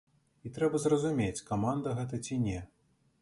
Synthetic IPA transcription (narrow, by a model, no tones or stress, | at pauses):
it̪ɾɛbɐzrɐzumʲet͡sʲkamand̪ɐɣɛt̪̬ɐt͡sʲinʲɛ